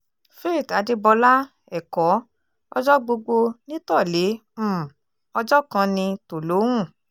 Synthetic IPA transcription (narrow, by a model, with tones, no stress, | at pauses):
fe˦i˦˨ta˨˧de˧bɔ˧la˦ | ɛ˨kɔ˨˦ | ɔ̰˧d͡ʒɔ˦ɡ͡bo˧ɡ͡bo˧nĩ˦tɔ˦˨le˨˦ | ɔ˧d͡ʒɔ˦kã˧nĩ˧to˨lo˨˦wũ˦˨